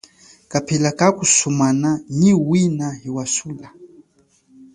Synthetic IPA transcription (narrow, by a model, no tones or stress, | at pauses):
kapʰilakakusumananiwinaɦiwasula